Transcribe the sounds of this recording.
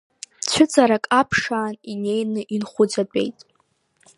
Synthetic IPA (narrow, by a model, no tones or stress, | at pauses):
t͡ɕʷʰʊt͡sʼaɾakʼapʰʂaːnine̞jnɨʔinχʷʊd͡zat͡pʼe̞̰jtʼ